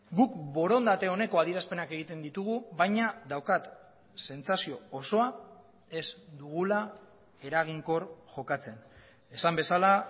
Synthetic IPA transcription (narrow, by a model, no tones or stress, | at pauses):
ɡukbo̞ɾo̞nd̪at̪e̞o̞ne̞ko̞aðiɾaspe̞nake̞ɣ̞it̪e̞nd̪it̪uɣ̞uβajɲad̪awkat̪ | se̞nt͡sasio̞ːso̞a | e̞zd̪uɣ̞ula | e̞ɾaɣ̞iŋko̞ɾʝo̞kat͡se̞n | e̞sambe̞sala